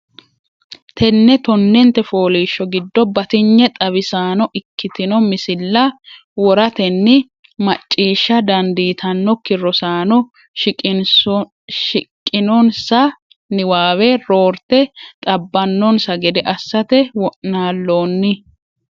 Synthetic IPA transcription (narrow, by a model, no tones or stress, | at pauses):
t̪ʰɛnːɛt̪ɔnːɛnt̪ːɛfoːliːʃːɔɡɪd̪ːɔbɐt̪ɪɲːɛt̪ʼɐβɪsaːnɔʔɪkːɪt̪ɪnɔmɪsɪlːɐ | wɔɾɐt̪ɛnːɪ | mɐt͡ʃʼːiːʃːɐd̪ɐnd̪iːt̪ʰɐnːɔkɪrɔsaːnɔ | ʃɪkʼːɪnɔnsɐ | nɪwaːwɛɾoːɾt̪ɛt̪ʼɐbːɐnːɔnsɐɡɛd̪ɛʔɐsːɐt̪ɛwɔʔnaːlːo̞ːnːɪ